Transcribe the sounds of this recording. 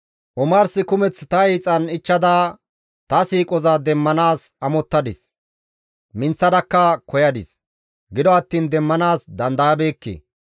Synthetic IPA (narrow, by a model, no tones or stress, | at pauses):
ʔɔmaːɾsɪkʊmɛt͡st̪ɐɛːt͡sʼɐnɪt͡ʃːɐd̪aː | t̪ɐsiːkʼɔzad̪ɛmːɐnaːsɐmɔt̪ːɐd̪ɪs | mɪnt͡sːɐd̪ɐkːɐkɔjɐd̪ɪs | ɡɪd̪ɔɐt̪ːiːnd̪ɛmːɐnaːsd̪ɐnd̪ɐjɐbe̞ːkːḛ